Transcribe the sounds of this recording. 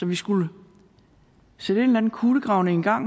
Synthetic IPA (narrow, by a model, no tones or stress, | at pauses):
ɒ̽ʋisɡ̥ulə | seɾ̥əe̝ːnlæn̩kʰuːləɡ̥ʁɑ̈ʊnəenɡ̥ɑ̈ŋ̰